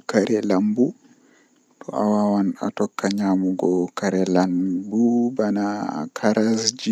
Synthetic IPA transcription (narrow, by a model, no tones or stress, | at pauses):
kaɾɛlambu | tɔʔa̰wawana̰tɔkːaɲaːmuɡɔkaɾɛlanbubanakʰaɾasd͡ʒi